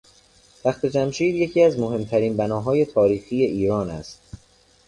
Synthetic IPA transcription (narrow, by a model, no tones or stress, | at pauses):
b̪æxt̪e̞d͡ʒæmʃiːd̪je̞cʰiːæzmo̞ɦe̞mt̪ʰæɾiːnbænɒːɦɒːje̞t̪ʰɒːɾiːxiːje̞ʔiːɾɒːnæ̰st̪̚